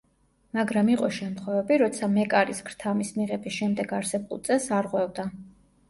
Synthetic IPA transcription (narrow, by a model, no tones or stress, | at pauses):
maɡɾamiqʼɔʃɛmt̪ʰχwɛvɛbiɾɔt̪sʰamɛkʼaɾiskʰɾ̥t̪ʰamismiʁɛbisʃɛmd̪ɛɡaɾsɛbulˠt̪sʼɛsaɾʁwɛvd̪a